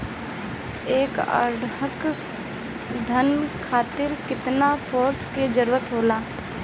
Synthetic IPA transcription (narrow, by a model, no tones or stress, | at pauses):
eːkə̰ɾɖək | d̪ʱənkʰaːt̪ɪɾkɪt̪napʰoːɾsked͡ʒəɾuːət̪ɦoːlaː